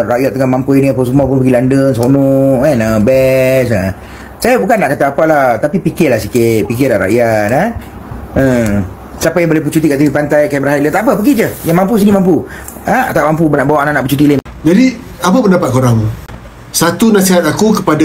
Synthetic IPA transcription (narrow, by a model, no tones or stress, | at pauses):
ɾajat̪ːəŋamampuiniapəs̬umap̬ʊnpəɡilandəŋsonɔʔkanəbɛs̬a | sajabukanːaʔkat̪aːpalat̪apipikɪlahsikɪt̪̚pik̬ɪlaɾa̰ʔjat̪a | ə | sapajãŋbolɛhp̬ut͡ʃut̪̬ikaʔt̪iɾipant̪ajkajbəɾaɦaʔlət̪aʔpəpəɡid͡ʒəjaŋmampus̬inimampu | aa̰t̪aʔmampubənaʔbawaʔnanaʔput͡ʃut̪̬ilem | d͡ʒadi | apapəndapat̪̚koɾaŋmu | sat̪unaʔsiɦat̪akukəpada